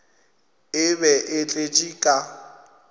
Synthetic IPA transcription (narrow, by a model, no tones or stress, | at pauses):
ɪbɛʔɪt͡ɬʼet͡ʃʼikʼa